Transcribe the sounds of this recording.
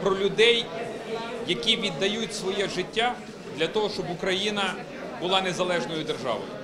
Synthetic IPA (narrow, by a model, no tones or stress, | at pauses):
pɾɔlʲʊd̪ɛj | jɐkʲiʋʲid̪ːɐjutʲsʋɔjɛʒɪtʲːa | d̪lʲɐt̪ɔɦɔʃt͡ʃɔbʊkɾɐjinɐ | bʊlˠɑnezɐlˠɛʒnɔjʊd̪erʒɑ̰ʋɔ̰jʊ